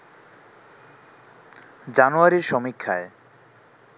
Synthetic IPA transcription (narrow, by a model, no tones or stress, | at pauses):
d͡ʑanuaɾiɾʃɔmikʰːae